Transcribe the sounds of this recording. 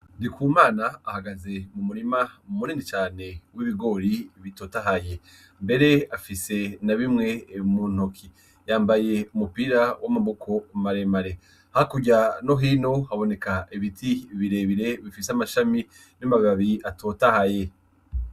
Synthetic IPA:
ndikʰuːmaːnaːhaɡaze̞mumuɾimamuniːndit͡ʃaːne̞wiβiɡo̞ɾiβitoːtaɦaje̞ | mbe̞ɾe̞afise̞naβimŋe̞mun̥okʰi | jaːmbaje̞umupiɾawʔamaβokʰo̞maɾemaɾe̞ | hakuɟano̞ɦiːno̞haβo̞ne̞kaiβitʰiβiɾe̞βiɾe̞βifiseamaʃami | namaβiaβiatotahaje̞

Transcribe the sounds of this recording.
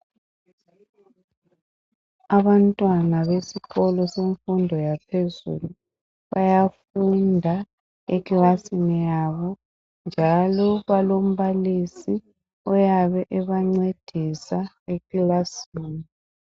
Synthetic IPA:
aβantʼwanaβesiɣɔlɔseɱfundʱɔjapʰezṵːlu | βajafundʱa | ekʼlasinijaβɔ | nd͡ʒʱalɔβalom̩βalisi | ɔjaβɛʔɛβaŋ͡ǀed̥ʱisa | ekilasiːni

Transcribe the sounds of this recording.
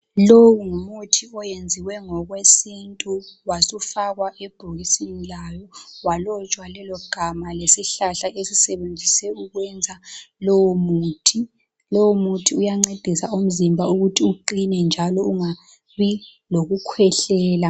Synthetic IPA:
lowuŋumutʰiɔjend͡zʱiwɛŋɔɣwesintʼuwasufaɣwaʔɛb̥ʱoɣisinilajɔwalɔt͡ʃʼwalɛlɔɡ̥ʱamalesiɬaɬaʔesisɛβend͡zʱisɛuɣwɛnd͡zʱalɔwomuːtʰi | lɔwomutʰiujaŋ͡ǀed̥ʱisaum̩zimbʱauɣutʰiuǃinɛnd͡ʒʱalɔuŋa | βi | loɣukʰwɛɬɛːla

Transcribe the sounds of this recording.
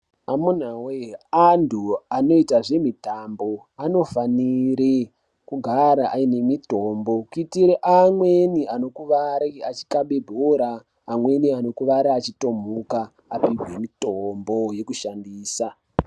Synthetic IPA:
amun̤aweandʰuano̞itaʐe̞mitambo̞ | ano̞faniɾe | kuɡʱaɾaʔaine̞mitombo̞kuitiɾeʔamweniano̞kuʋaɾiat͡ʃi̥kaɓebʱoɾaː | mwe̞niano̞kuʋaɾiat͡ʃito̞mukaː | piɡʱwe̞mitombo̞je̞kuʃandiːsa

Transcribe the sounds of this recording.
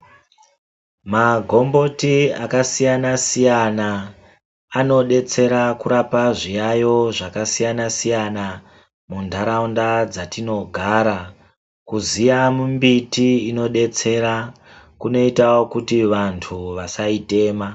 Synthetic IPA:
maɡʱo̞mbo̞tia̰kasijanasijanaː | no̞ɗe̞t͡se̞ɾakuɾapaʐijajo̞ʐakasijanasijana | mundʱaɾaundad͡zatino̞ɡʱaɾa | kuzijamumbitiino̞ɗe̞t͡se̞ɾa | kuno̞itawokutiʋantʰuʋasaite̞ːma

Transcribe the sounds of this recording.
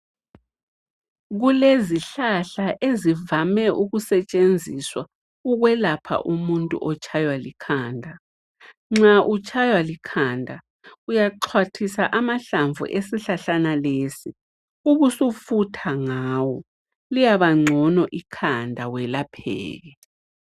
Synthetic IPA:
ɣuleziɬaɬaʔezivamɛʔuɣusɛt͡ʃʼend͡zʱiswa | uɣwɛlapʰa̰ʔumuntʼṵʔɔt͡ʃʰʼajwalikʰaːndʱa | ŋ͡ǁaʔut͡ʃʼajwalikʰandʱa | ujaǃʰwatʰisaʔamaɬaɱvṵʔesiɬaɬanalesi | uɣusufutʰaŋaːwɔ | lijaβaŋ͡ǀʱɔnɔʔikʰandʱawɛlapʰɛ̰ːɣɛ

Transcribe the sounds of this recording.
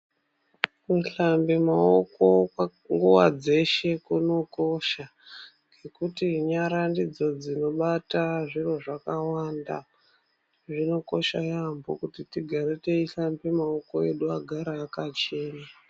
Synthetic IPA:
kuɬambemaoko̞ | ŋɡuwa̰d͡ze̞ʃe̞kuno̞ko̞ʃa | ŋɡe̞kutiɲaɾandid͡zo̞d͡zino̞ɓataʐiro̞ʐakawanda̰ | ʐino̞ko̞ʃajambokutitiɡʱaɾete̞iɬambemaoko̞e̞̰ɗuaɡʱaɾaːkat͡ʃe̞ːna

